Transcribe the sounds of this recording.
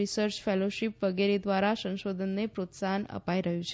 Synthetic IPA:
isəɾt͡ʃfeloʃipʋəɡeɾed̪ʋaɾasə̃ŋʃod̪ʱənːepɾot̪sanə̰paiɾəɦũt͡ʃʰ

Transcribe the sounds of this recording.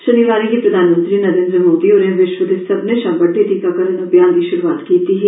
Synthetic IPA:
ʃɐniʋaːɾikepɾɐd̪ʱaːnmə̃nt̪ɾinɐɾẽːnd̪ɾəmoːd̪ioːɾẽʋɪʃʋəd̪ʱɪsɐbneʃãːmbəʈːeʈiːkakɐɾənɐbjaːnɡ̪iʃʊɾuaːt̪kiːt̪iɦɛ

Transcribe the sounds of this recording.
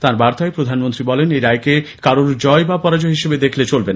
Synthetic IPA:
t̪ãɾbaɾt̪aepɾod̪ʱanmont̪ɾibɔleneɾajkekaɾoɾd͡ʑɔebapɔɾad͡ʑoɦiʃebed̪ekʰlet͡ɕolben

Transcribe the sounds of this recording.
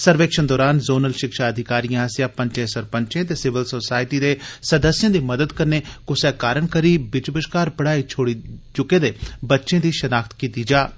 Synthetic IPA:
səɾʋeːkʃənd̪ɔːɾaːnzoːnəlʃɪkʃaəd̪ʱɪkaːɾijãːɦəsjãːpə̃ɲt͡ʃẽːsəɾpə̃ɲt͡ʃẽːt̪eːsɪʋəlsoːsaːɪʈiːd̪eːsəd̪əsjãːd̪iːməd̪əd̪kəɾneːkʊsɛːkaːɾəɳkəɾiːbɪt͡ʃbəʃkaːɾbəɽaːit͡ʃʰoːɽit͡ʃʊkẽːd̪eːbətːʃẽːd̪iːʃənaːkʰt̪kiːt̪iːd͡ʒaː

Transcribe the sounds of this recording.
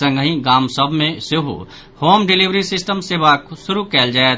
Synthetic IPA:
ə̃ŋɡɦĩɡaːmsəbʱmẽseɦṵ | hoːmɖɪliʋɾisɪsʈəmseːʋaksʊɾukɛːld͡ʒaːet̪

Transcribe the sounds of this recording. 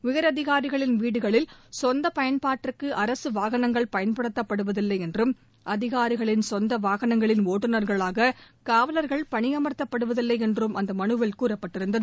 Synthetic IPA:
ʊjɐɾɐðɪɣaːɾɪɣɐɭɪnʋiːɽɯɣɐɭɪlsɔnd̪ɐpɐjɐnpaːʈrɯkːɯʔɐɾɐsɯʋaːɣɐnɐŋɡɐɭpɐjɐnpɐɽɯt̪ːɐpːɐɽɯʋɐðɪlːɐɪɛndrɯm | ʔɐðɪɣaːɾɪɣɐɭɪnsɔnd̪ɐʋaːɣɐnɐŋɡɐɭɪnoːʈːɯnɐɾɣɐɭaːɣɐ | kaːʋɐlɐɾɣɐɭpɐɳɪjɐmɐɾt̪ːɐpːɐɽɯʋɐðɪlːɐɪɛndrɯmʔɐnd̪ɐmɐɳɯʋɐlkuːrɐpːɐʈːɪɾɯnd̪ɐðɯ

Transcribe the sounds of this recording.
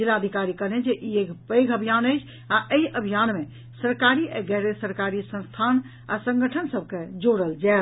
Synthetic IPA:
d͡ʒilaəd̪ʱikaɾikəned͡ʒeʔiekpəɪɡəbʱijanəɪt͡ʃʰ | aʔəiʔəbʱijanme | səɾkaɾiɛɡɛɾesəɾkaɾisə̃nst̪ʰan | asə̃ŋɡəʈʰənsəb̚ʱked͡ʒoɽəld͡ʒaɪl

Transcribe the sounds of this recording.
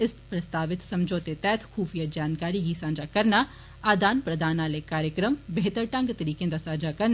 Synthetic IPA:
ɪspɾɐst̪aːʋɪt̪sɐ̃md͡ʒʱoːt̪et̪ɛːt̪ʰxuːfijad͡ʒaːnkaːɾiɡisãːd͡ʒakɐɾna | aːd̪aːnpɾɐd̪ʱaːnaːlekaːɾjəkɾəmbeɦt̪əɾʈãŋɡt̪ɐɾiːkẽːnd̪asaːd͡ʒakɐɾn

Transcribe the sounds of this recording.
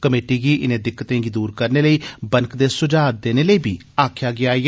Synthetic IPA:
kəmeːʈiːɡiːʔɪnẽːd̪ɪkːət̪ẽːɡiːd̪uːɾkəɾneːləiːbənkd̪eːsʊd͡ʒaːt̪̚d̪eːneːləiːbiː | aːkʰjaːɡɪaː

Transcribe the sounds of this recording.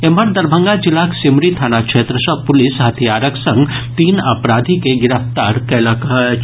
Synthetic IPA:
eməɾd̪ɐɾbʱə̃ŋɡat͡ʃɪlaːksɪmɾit̪ʰaːnakʃeːt̪ɾəsəpʊlɪsɦɐt̪ʰijaːɾəksɐ̃ŋɡt̪iːnɐpɾaːd̪ʱikeɡɪɾəft̪aːɾkɛlakəɦ

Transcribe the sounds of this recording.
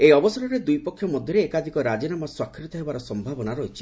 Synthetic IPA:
ejɔbɔsɔɾɔɾed̪ujpɔkʰːjɔmɔd̪ʱjɔɾeːkad̪ʱikɔɾad͡ʒinamaswakʰːɾit̪ɔɦebaɾɔsɔmbʱabɔnaɾɔɦit͡ʃʰi̥

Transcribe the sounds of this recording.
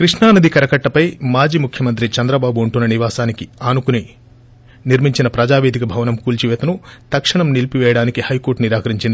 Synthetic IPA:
kɾiʂɳaːnɐd̪ikɐɾɐkɐʈːɐpɐjmaːd͡ʒiːmukʰjɐmɐnt̪̬ɾit͡ʃɐnd̪ɾɐbaːbuɐɳʈunːɐniʋaːsaːnikiaːnukuni | niɾmiɲt͡ʃinɐpɾɐd͡ʒaːʋeːd̪ʱikɐbʱɐʋɐnɐmkuːlt͡ʃiʋɛːt̪ɐnut̪ɐkʂɐɳɐmnilpiʋɛːjɐɽaːnikihɐjkoːɾʈniɾaːkɐɾiɲt͡ʃind̪i

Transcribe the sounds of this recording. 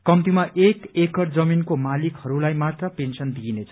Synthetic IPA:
kʌmt̪imaʔekekʌʈd͡zʌminkomalikhʌɾulajmat̪rʌpensʌnd̪inet͡sʰʌ

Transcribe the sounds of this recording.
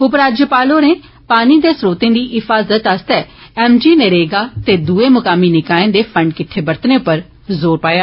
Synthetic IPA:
ʊp̬ɾaːd͡ʒjəpaːloːneː | paːniːd̪eːsɾoːt̪ẽːd̪iːʔɪfʰaːzət̪ast̪ɛːɛːmd͡ʒiːneːɾeːɡaːt̪eːd̪uːeːmʊkaːmiːnɪkaːẽːd̪eːpʰəɳɖ̚kɪʈʰːeːbəɾt̪neːʊpːəɾ | zoːɾpaːjaː

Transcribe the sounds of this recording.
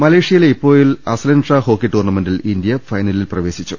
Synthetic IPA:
mɐleːʂijɐleipːo̞ːjilɐ̰slɐnɖʂɐhoːkːiʈːoːrnɐmendilind̪ijɐfɐjnɐlilprɐʋe̞ːsit͡ɕːu

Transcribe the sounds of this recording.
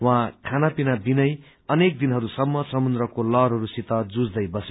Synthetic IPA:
wãkʰanapinabinʌj | ʌnek̚d̪inɦʌɾusʌmːʌsʌmund̪ɾʌkolʌɾɦʌɾusit̪ʌd͡zud͡zd̪ʌjbʌse

